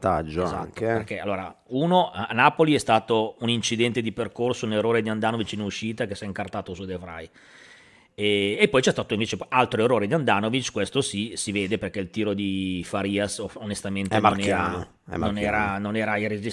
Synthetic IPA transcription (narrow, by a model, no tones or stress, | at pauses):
t̪ad͡ʒoza̰ːpḛrk̟ɛa̰lːoːɾa̰uːnoanːaːpoliɛst̪aːt̪ounint͡ʃid̪ɛnt̪ed̪iperkorsouneroːɾed̪iand̪aːnovit͡ʃinuʃiːt̪akesaiŋkart̪aːt̪osud̪efɾa̰j | ɛepːɔjt͡ʃɛst̪aːt̪oĩɱveːt͡ʃealt̪ɾoeroːɾed̪iand̪aːnovit͡ʃkwest̪osisiveːd̪eperkɛilt̪iːɾod̪ifaɾiːasoonest̪ament̪enonɛɾano | ɛ̰nonɛːɾanonɛːɾairezi